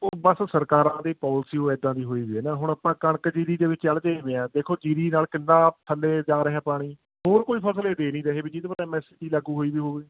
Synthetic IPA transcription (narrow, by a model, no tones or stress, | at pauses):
oːbəssəɾkaːɾãːd̪eːpɔːlsiːoːɛːd̪ãːd̪iːɦoːiːʋiːɛːnaːɦʊɽəːpãːkəɳəkd͡ʒiːɾiːd̪eːʋɪt͡ʃt͡ʃəld͡ʒeːʋẽːɛ̃ːd̪eːkʰoːd͡ʒiːɾiːnaːlkɪnːãːpʰəleːd͡ʒaːɾəɦɛ̃ːpaːɽ̃iː | hoːɾkoːiːpʰəsleːd̪eːnĩːɾəɦeːbiːd͡ʒɪd̪pəɾɛ̃ːmɛ̃ːsɪʈiːlaːɡuːɦoːiːʋiːɦoːɡeː